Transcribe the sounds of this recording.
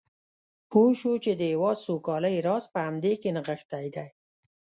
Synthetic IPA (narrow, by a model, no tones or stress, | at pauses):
poʃut͡ʃed̪əɪwɑd̪sokɑləjɾɑspəamd̪ekenəɣəxt̪ajd̪aj